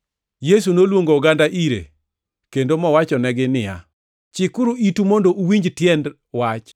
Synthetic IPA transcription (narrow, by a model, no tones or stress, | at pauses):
jes̬unolwoŋɡoːɡandaʔiɾḛ | kendomɔwat͡ʃɔnɛɡɪnɪja̰ | t͡ʃɪkuɾuitumondoʔuwiɲd͡ʒtjɛnd | wat͡ʃ